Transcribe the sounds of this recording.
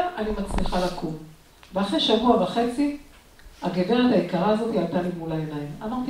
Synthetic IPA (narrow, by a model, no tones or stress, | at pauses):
animat͡sliχalakʰum | veaχʁeʃavuavaχe̞t͡si | aɡeveʁat̪aikaʁaːzo̞t̪ialtalimulaenajimamaʁt̪i